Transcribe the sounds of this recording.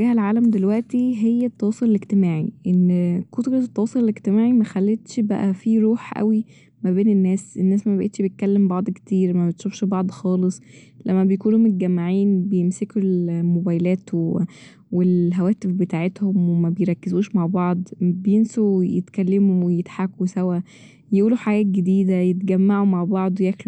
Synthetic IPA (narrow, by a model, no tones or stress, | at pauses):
ɡæːhælʕaːlæmd̪elwæʔt̪iɦejːæt̪ːɑwɑːsˤoleleɡt̪emaːʕiʔenːkot̪ɡɑt̪ˤːɑwɑːsˤoleleɡt̪emaːʕimæxælːet̪ʃbæ̰ʔæfiɾˤuːħʔæ̰wi | mæbeːnenːæːsʔenːæːsmæbæʔet̪ʃbejt̪̚kælːembɑʕd̪ˤke̥t̪iːɾmæbet̪ʃofʃbɑʕd̪ˤxɑːlesˤ | læmːæbejkuːnumot̪̚ɡæmːaʕiːnbejemsekelmobæːjlæːt̪w | welɦæwæːt̪efbet̪aːʕet̪homwemæbejɾˤɑkːezuːʃmaʕbɑʕd̪ˤbejensowjet̪kælːemuwejet̪ħakːusæwæ | jʔuːluħaɡæːt̪̚ɡed̪iːd̪æjet̪̚ɡæmːaʕumaʕbɑʕd̪ˤwjæxl